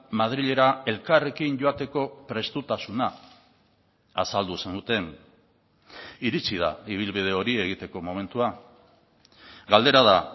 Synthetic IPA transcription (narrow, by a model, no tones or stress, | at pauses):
mað̞ɾiʎe̞ɾae̞lkare̞kiɲɟo̞at̪e̞ko̞pɾe̞st̪ut̪asuna | sald̪usand̪ut̪e̞n | iɾit͡sið̞a̰iβ̞ilβið̞e̞o̞ɾie̞ɣ̞it̪e̞ko̞mo̞me̞nt̪ua | ɡald̪e̞ɾaða